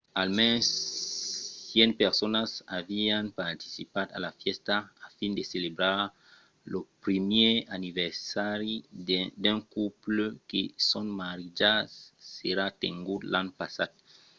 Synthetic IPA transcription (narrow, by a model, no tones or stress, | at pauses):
almɛnsː | jɛnpeɾsonasavianpaɾt̪i̥sipat̪a̰lafjɛst̪aːfĩnd̪eselebɾaɾ | lopɾimjeaniveɾsaɾid̪aŋkuplokesõnmaɾid͡ʒasːeɾat̪eŋɡud̪lanpasad̪